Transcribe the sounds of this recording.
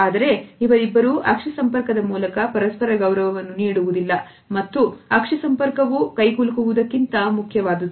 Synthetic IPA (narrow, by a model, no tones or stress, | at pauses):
aːd̪ɐɾe̞iʋɐɾibːɐɾuʔɐkʂɐsɐmpɐɾkɐd̪ɐmuːlɐkɐpɐɾɐspɐɾɐɡɐwɾɐʋɐʋɐnːuniːɽuʋud̪ilːɐ | mɐt̪ːuɐkʂɐsɐmpɐɾkɐʋukɐjɡulkuʋud̪ɐkːint̪ɐmukʰjɐʋaːd̪ɐd̪u